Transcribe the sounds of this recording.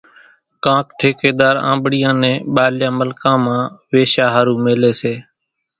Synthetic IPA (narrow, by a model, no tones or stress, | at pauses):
kãːkʈʰeːkeːd̪aːɾã̰ːmbɽɪjãːnẽːɓaːljãːməlkãːmãːʋeːʃaːɦaːɾũːmeːleːseː